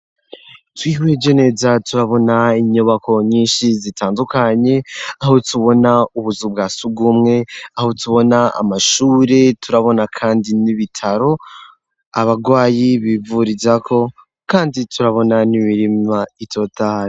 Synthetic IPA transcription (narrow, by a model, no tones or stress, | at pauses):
twiːhwed͡ʒɟone̞zatuɾaβo̞naiɲuβakʰo̞ɲiːnʃizitʰaːndukaɲe̞aho̞tuβo̞nauβuzub̚ɡaːsuɡumŋe̞aho̞tuβo̞naa̰maʃuːɾe̞tʰuɾaβo̞nakʰaːndiniβitʰaɾo̞ | a̰βaɡwaːjiβivuɾizakʰo̞ | kaːnditʰuɾaβo̞nanimiɾimaitʰo̞taɾi